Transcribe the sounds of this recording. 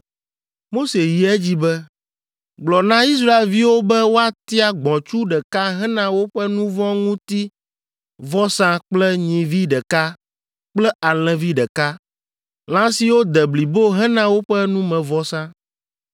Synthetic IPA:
mo˦se˨ji˨ɛ˦d͡ʑi˦bɛ˦ | ɡ͡blɔ˨nã˦i˦s̬ɾa˦e˨lvi˦wo˦bɛ˦wo˦a˨t̪i˦a˨ɡ͡bɔ̃˨t͡ʃu˦ɖɛ˨ka˦ɦɛ̃˦nã˦wo˦ɸɛ˦nũ˦vɔ̃˦ŋũ˦t̪i˦ | vɔ˦sã˦k͡plɛ˦ɲĩ˨vi˦ɖɛ˨ka˦ | k͡plɛ˦a˨l̃ɛ̃˨vi˦ɖɛ˨ka˦ | lã˦si˨wo˦d̪ɛ˨bli˨bo˦ɦɛ̃˦nã˦wo˦ɸɛ˦nũ˦mɛ̃˨vɔ˦sã˦

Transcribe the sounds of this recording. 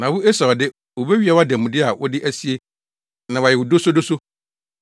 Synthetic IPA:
nã˨wʊ˦e˦sa˨a˨dɪ˦ | wo˨be˦ɥi˦a˨wa˦dɛ˨mũ˨dɪ˦a˨ʔʊ˦dɪ˦ʔæ˦si˦e˦ | nã˨wa˨jɛ˨wʊ˨do˦sʊ˦do˦sʊ˦

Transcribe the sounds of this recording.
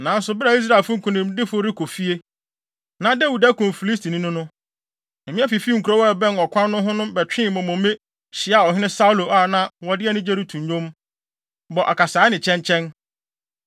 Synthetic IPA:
nã˨˦n̩˦sʊ˨bɪ˦ɾa˨i˦s̬ɾa˦˨e˨lfʊ˦ŋ̩˦kʰũ˨nɪ̃˨m˦dɪ˦fʊ˦ɾɪ˦kʰo˨fi˦e˦ | nã˨dɛ˦wu˨da˦kʊ̃˨fi˨li˦stʰi˨nĩ˦nʊ̃˦nʊ̃˦ | ɛ˨mɪ̃˦ɛ˦fi˨fi˦ŋ̩˨kʰu˨ɾɔ˦wɔ˦˨bɛ̃˦˨nɔ˨kʰʷã˦nːʊ̃˦ɦʊ̃˦nʊ̃˦bɛ˨t͡ɕᶣɪ̃ː˦˨mɔ̃˨mõ˨mẽ˦ | ɕɪ˨a˦˨ɔ˨ɦɪ˦nɪ̃˦sa˦u˦lo˨ʔa˦˨nã˦wɔ˨dɪ˦ɛ˦nʊ̃˦d͡ʑe˦ɾu˦tʰũ˨ɲ˦ɲõ˦m | bɔ˨ʔa˨ka˨saː˨˦nɪ̃˨t͡ɕʰɛ̃˦ɲt͡ɕʰɛ̃˦n

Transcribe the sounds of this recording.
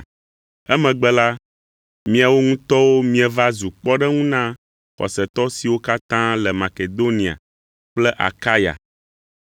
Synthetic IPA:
ɛ˦mɛ̃˨ɡ͡bɛ˦la˦ | mĩ˦a˨wo˦ŋũ˦t̪ɔ˦wo˦mĩ˦ɛ˨va˦zu˨k͡pɔ˦ɖɛ˦ŋũ˦nã˦ | xɔ̰˨sɛ˨t̪ɔ˦si˨wo˦ka˦t̪ã˦lɛ˨mã˨ke˨d̪o˦nĩ˨a̰˨ | k͡plɛ˦ʔa̰˨ka˦ja̰˨

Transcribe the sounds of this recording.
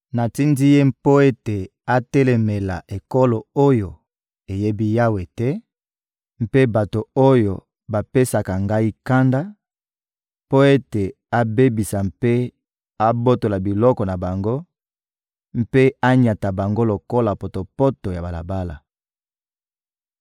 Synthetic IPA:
na˨ti˦ndi˦je˦mpo˦e˦te˨ | a˦tɛ˦lɛ˨me˨la̰˨ʔe˨ko˦lo˨o˦jo˨ | e˨je˦bi˦ja˦we˨tɛ˦ | m̩˦pe˦ba˨to˨o˦jo˨ | ba˨pe˦sa˨ka˨ŋɡa˦i˦ka˦nda˦ | po˦e˦te˨ | a˦be˦bi˨sa˨mpe˦ | a˦bo˦to˨la˨bi˨lɔ˦kɔ˨na˨ba˨ŋɡo˦ | m̩˦pe˦a˦ɲa˨ta˨ba˨ŋɡo˦lo˨ko˦la˨po˨to˨po˦to˨ja˨ba˨la̰˨ba˦la̰˨

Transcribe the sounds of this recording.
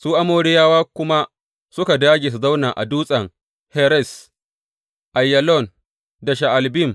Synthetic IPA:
suː˦ʔa˦moː˨ɽɪ˦jaː˦waː˦kʷʊ˦ma˦ | sʊ˦ka˨daː˦ɡʲiː˨s̬u˨za˦wnaː˨ʔa̰˨duː˦sʼɐ˨ŋ | hɛ˦ɾɛ˦˨s | ʔa˨jːa˨lɔ˦˨n | da˨ʃa˨ʔa˨lbɪ˦˨m

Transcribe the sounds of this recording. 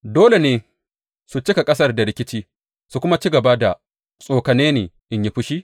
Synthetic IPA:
doː˦le˨neː˨˦ | su˨t͡ʃɪ˦ka˨kʼɐ˦sɐ˦rda˨ɾɪ˨kʲɪ˦t͡ʃiː˦ | su˨kʷʊ˦ma˦t͡ʃi˦ɡɐ˨ba˦da˨ | sʼoː˨ka˨neː˦neː˨ʔɪ˨ɲji˦ɸʊ˦ʃiː˦

